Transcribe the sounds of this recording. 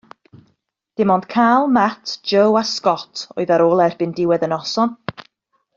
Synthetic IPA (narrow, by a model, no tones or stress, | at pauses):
d̥ɪmɔnd̥kʰaːlˠmatʰd͡ʒəwaskɔtʰɔ̰ɨðaɾoːlˠɛrb̥ɪndɪwɛðənɔsɔn